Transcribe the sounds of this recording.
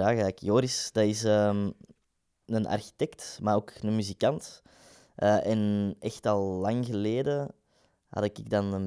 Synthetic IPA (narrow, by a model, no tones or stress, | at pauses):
aːɣɛːkjoːɾisd̥ɑɪsəːm | ənɑ̰rxi̥tɛktmaːɾoːknənmyzikɑnt | ʔəːʔɛnɛxtɑlˠːɑŋɣəleːdə | hɑ̰dɪkɪɡ̚dɑnən